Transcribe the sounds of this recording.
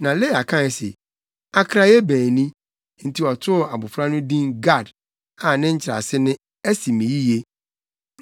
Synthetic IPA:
nã˨le˦˨a˨kʰã˦˨ɛ˨sḛ˨ | a˦kʰɾa˦jɛ˦bæ̃ː˨nĩ˦ | n̩˨tʰi˨˦ɔ˨tʰʊ˦˨a˨bʊ˨fɾa˦nʊ̃˦dĩ˦nɡa˦˨d | a˨nɪ̃˦ɲ̩˦t͡ɕʰɪ˨ɾa̰˨sɪ˦nɪ̃˦ | ɛ˦si˨mĩ˨ji˦je˦

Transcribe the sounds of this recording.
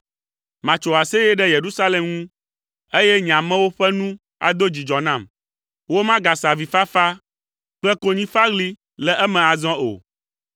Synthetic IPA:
mã˨t͡ʃo˨a˨sɛ˦jɛ˦ɖɛ˦je˨ɾu˦sa˦lɛ˨mŋũ˦ | e˦jɛ˦ɲ˨ã˨mɛ̃˦wo˦ɸɛ˦nũ˦ | a̰˨d̪o˦d͡ʑi˨d͡ʒɔ˨nã˦˨m | wo˦mã˦ɡa˨sa˨vi˨fa˦fa˦ | k͡pɛ˦ko˦ɲĩ˦fa˦ɡli˦ | lɛ˨ʔɛ˦mɛ̃˨a˨zɔ̃˦o̰˨

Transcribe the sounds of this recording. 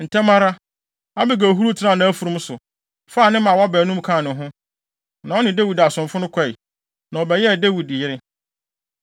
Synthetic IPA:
n̩˨tʰɛ˦mã˦ɾa˦ | a˦bɪ˨ɡæ˨ɦu˦ɾu˦tʰɪ˦nã˦˨nã˦æ˦fu˨ɾʊ̃˦m̩˦sʊ˨ | fa˦˨nɪ̃˦mã˨wa˦bæː˨˦nũ˦m˦kʰã˦˨nʊ̃˨ɦʊ̃˦ | nã˨ɔ˦nɪ̃˨de˦wi˨da˨sʊ̃˨mfʊ˦nʊ̃˦kʷʰɛ˦i˨ | nã˨ɔ˨bɛ˨jɛ˦˨de˦wi˨d̚ɪ˨jɪ˦ɾɪ˦

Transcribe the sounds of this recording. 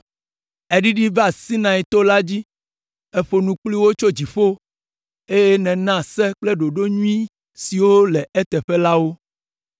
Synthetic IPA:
e˦ɖi˦ɖi˦va˨si˦nã˨i˨t̪o˦la˦d͡ʑi˦ | e˦ɸo˨nũ˨k͡pli˦wo˦t͡ʃo˦d͡ʑi˨ɸo˦ | e˦je˦nɛ̃˨nã˦˨sɛ˦k͡plɛ˦ɖo˨ɖo˦ɲũ˦ĩ˦ | si˨wo˦lɛ˨e˦t̪ɛ˨ɸɛ˦la˦wo˦

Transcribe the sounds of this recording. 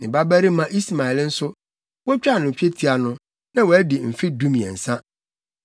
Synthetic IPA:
nɪ̃˨ba˦bæ˦ɾi˦mã˦ʔi˦sma˨ɛ˨ln̩˦sʊ˦ | wɔ˦t͡ɕᶣa˦˨nʊ̃˨t͡ɕᶣe˦tʰi˦a˨nʊ̃˦ | nã˦wɔ˨æ˦dɪ˨m̩˨fɪ˦dũ˦mĩ˨ɛ̰˨n̩˨sã˦

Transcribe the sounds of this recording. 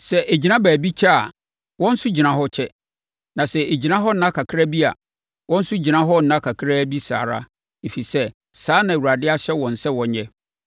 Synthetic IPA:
sɛ˨ʔe˨d͡ʑi˨nã˦bæː˨bi˦t͡ɕʰɛ˦a̰˨ | wɔ̃˦n̩˦sʊ˦d͡ʑi˨nã˦ɦɔ˦t͡ɕʰɛ˦ | nã˨sɛ˨ʔe˨d͡ʑi˨nã˦ɦɔ˦n̩˦nã˦kʰa˨kʰɾa˦bi˦a̰˨ | wɔ̃˦n̩˦sʊ˦d͡ʑi˨nã˦ɦɔ˦n̩˨nã˦kʰa˨kʰɾa˦bi˦sa̰ː˨ɾa̰˦ | e˨fi˨sɛ˦ | saː˨˦nã˨wu˨ɾa˨dɪ˦a˦ɕɛ˦wɔ̃˨n̩˨sɛ˦wɔ̃˨ɲɲɛ̃˦

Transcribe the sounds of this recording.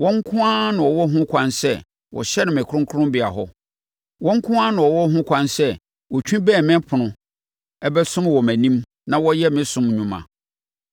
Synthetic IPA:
wɔ̃˦ŋ̩˦kʰʊ̃˦ã˦nʊ̃˨ɔ˨wɔ˦ɦʊ̃˦kʷʰã˦nsɛ˦˨ | wʔɔ̰˨ɕɛ˦nɪ̃˨mɪ̃˨kʰʊ̃˦ŋkʰʊ˦ɾʊ̃˦mbɪ˨a˨ɦɔ˦ | wɔ̃˦ŋ̩˦kʰʊ̃˦ã˦nʊ̃˨ɔ˨wɔ˦ɦʊ̃˦kʰʷã˦nsɛ˦ | wɔ˨t͡ɕᶣĩ˦bɛː˦˨mɪ̃˦pʰʊ̃˨nʊ̃˨ | ɛ˦bɛ˦sʊ̃˦m˦wɔ˨mæ̃˨nĩ˦m | nã˨wɔ˦jɛ˦mɪ̃˦sʊ̃˦mɲũ˦mã̰˨

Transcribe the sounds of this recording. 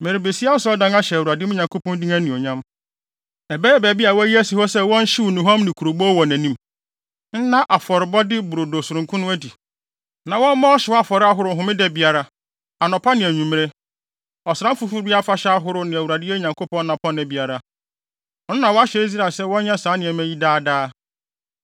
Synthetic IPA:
me˨ɾɪ˨be˨si˦a˦n̩˦sɔ˦ɔ˦dã˦na˦ɕɛ˨u˨a˨dɪ˦ʊ˦ɲã˨ŋkʰo˦pɔ̃˦n˦di˦ŋæ̃˦nĩ˨ɔ˨ɲã˦m | ɛ˨bɛ˦ɛ˦bæ˨bi˦a˨wɔ˦æ˦ji˦æ˦si˨hɔ˦sɛ˦wɔ̃˦n̩˦ɕɪ˦wu˨nʊ̃˨ɦã˦mnɪ̃˨kʰu˨ɾo˨bu˦ɔ˦wɔ˨næ̃˨nĩ˦m | n̩˦nã˦ʔa˨fɔ˨ɾɪ˨bɔ˦dɪ˦bʊ˨ɾo˨do˨sʊ˨ɾʊ̃˨ŋkʰʊ̃˦nʊ̃˦æ˦di˨ | nã˨wɔ̃˦mã˦ɔ˦ɕɪ˨ɔ˦a˨fɔ˨ɾɪ˦a˦ɦʊ˦ɾʊ˦˨ɦʊ̃˨mɪ̃˦dɛ˦bi˨a˨ɾa˨ | a˨nɔ̃˨pʰa˦nɪ̃˨æ˨ɲũ˨m˦ɾe˦ | ɔ˨sɾã˦m̩˦fu˦fu˦ɾi˦a˦fa˦ɕɛ˦a˦ɦʊ˦ɾʊ˦nɪ̃˨æ˨wu˨ɾa˨dɪ˦ɛ˦ɲã˨ŋkʰo˦pɔ̃˦n˦nã˨pʰɔ̃˦nɛ˨bi˨a˨ɾa˨ | ɔ˨nʊ̃˦nã˨wɔ˦a˦ɕɛ˨i˦s̬ɾa˨sɛ˦wɔ̃˦ɲã˦sãː˨˦nɪ̃˨ɛ̃˨mæ˦ji˦daː˦daː˦

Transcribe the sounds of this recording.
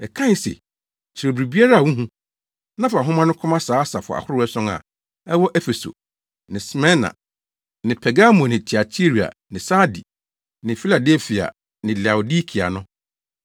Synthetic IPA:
ɛ˨kʰã˦sḛ˨ | t͡ɕʰɪ˨ɾe˨bɾi˨bi˦a˦ɾa˦˨wũ˦ɦũ˦ | nã˦fa˨ɦʊ̃˦mã˦nʊ̃˦kʰʊ˦mã˦saː˨˦sa˨fʊ̰˨a̰˨hʊ˦ɾɛ˦sɔ̃˦ŋa̰˨ | ɛ˦wɔ˦ʔɛ˦fe˨so̰˨ | nɪ̃˨smɛ̃˦na̰˨ | nɪ̃˨pʰɛ˨ɡa˦mɔ̃˨nɪ̃˨tʰi˨a˨tʰi˦ɾi˨a̰˨nɪ̃˨sa˦di˨ | nɪ̃˨fi˦la˨dɛ˦lfi˨a̰˨ | nɪ̃˨la˨o˨di˦kʰi˨a̰˨nʊ̃˦

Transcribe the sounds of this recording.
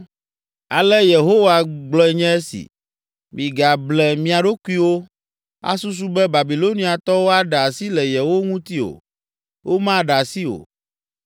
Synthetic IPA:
a˨lɛ˦je˨ɦo˦wa˨ɡ͡blɔ˦ɛ˨˦ɲɛ̃˦e˦sḭ˨ | mĩ˨ɡa˨blɛ˨mĩ˨a˨ɖo˦ku˦i˦wo˦ | a̰˦su˦s̬u˦bɛ˦ba˨bi˨lo˦nĩ˦a˨t̪ɔ˦wo˦a˦ɖɛ˨a˨si˦lɛ˨jɛ˨wo˦ŋũ˦t̪i˦o̰˨ | wo˦mã˦˨ɖa˨si˦o̰˨

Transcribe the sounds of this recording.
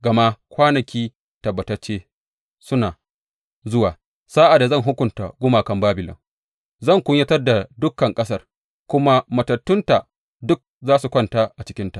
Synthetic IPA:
ɡɐ˨ma˦kʷaː˦nɐ˨kʲiː˦ | tɐ˨bːɐ˨tɐ˦rt͡ʃːeː˦ | sʊ˦naː˨ | zʊ˦waː˨ | saː˦ʔa˨da˨zɐ˦˨ŋɦʊ˦kʷʊ˨nta˨ɡʷʊ˦maː˨kɐ˦mbaː˦bɪ˨lɔ̰˨ŋ | zɐ˦˨ŋkʷʊ˦ɲjɐ˦tɐ˦rda˨dʊ˦kːɐ˨ŋkʼɐ˦s̬ɐ˦˨r | kʷʊ˦ma˦mɐ˨tɐ˨tːʊ˦nta˨ | dʊ˦k̚zaː˦su˨kʷɐ˦˨nta˦ʔa˨t͡ʃɪ˦kʲɪ˦nta˨ʔ

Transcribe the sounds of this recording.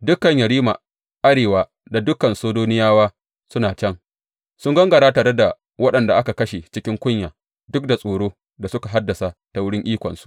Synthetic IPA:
dʊ˦kɐ˨ɲjɐ˨ɽiː˦ma̰˨ | ʔa˦ɽeː˨waː˨ | da˨dʊ˦kɐ˨nsoː˦doː˦nɪ˦jaː˦waː˦ | sʊ˦naː˨t͡ʃɛ˦ŋ | sʊ˦ŋɡɐ˦ŋɡɐ˨ɽaː˦taː˨ɽe˦da˨ | wɐ˦ɗɐ˨nda˨ʔa˦ka˨kɐ˦ʃe˨t͡ʃɪ˦kʲɪ˦ŋkʷʊ˦ɲjaː˨ | dʊ˦k̚da˨sʼoː˨ɽoː˦ | da˨sʊ˦ka˨ɦa˦dːɐ˨sa˨ta˨wʊ˦ɽɪ˦ŋʔiː˦kʷɔ̰˨nsu̥˦˨ʔ

